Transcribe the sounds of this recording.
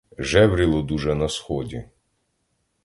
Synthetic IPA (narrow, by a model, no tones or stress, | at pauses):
ʒɛʋɾʲilˠɔd̪uʒɛnɐsxɔdʲi